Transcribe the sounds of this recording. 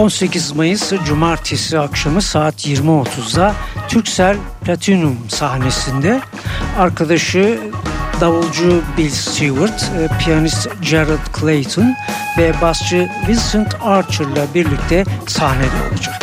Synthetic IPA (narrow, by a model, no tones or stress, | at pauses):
o̞nse̞cʰizmajɯsd͡ʒumaɾt̪ʰesiakʃamɯsaːt̪ʰjiɾmio̞t̪ʰuzd̪at̪ʰyɾcsælʲ | plʲat̪ʰinumsahne̞sind̪ɛ | aɾkʰad̪aʃɯ | d̪avɯlˠd͡ʒubilʲst̪ivuɾt̪pʰijanist̪d͡ʒeɾad̪kʰlˠejt̪ʰon | vɛbast͡ʃʰɯvinʲsɯnt̪ʰaɾt͡ʃʰɯɾlˠabiɾlʲic̚t̪ʰɛsahne̞dlʲɛ̰o̰ad͡ʒak